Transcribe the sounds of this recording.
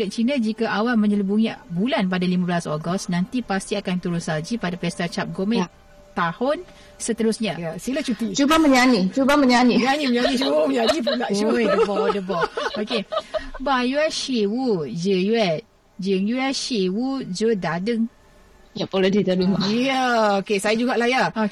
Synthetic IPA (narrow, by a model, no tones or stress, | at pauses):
lət̚t͡ʃinãd͡ʒikaʔawalmə̃ɲələbuŋibulanpadalimabəlasɔɡɔsnãnt̪ipast̪iakant̪ulʊnsad͡ʒipadapɛst̪at͡ʃap̚ɡomɛ̃ | t̪ahʊn | sət̪əɾʊsɲãasilat͡ʃut̪it͡ʃubaməɲanit͡ʃubaməɲaniɲaniməɲanit͡ʃubaməɲanipəlaʔd͡ʒudəbɔdəbɔokebajuɛʃiwud͡ʒəjuɛt̪̚ | d͡ʒəŋjuɛʃiwud͡ʒədadəŋ | japolədit̪alumajaokesajad͡ʒuɡaʔlahjaa